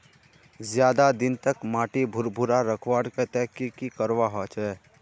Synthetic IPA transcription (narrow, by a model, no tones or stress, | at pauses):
zjaːd̪ad̪ɪnt̪əkmaːʈibʱʊɾbʱʊɾaɾəkʰʋaːɽket̪ɛɦkikikəɾʋaɦɔt͡ʃʰɛː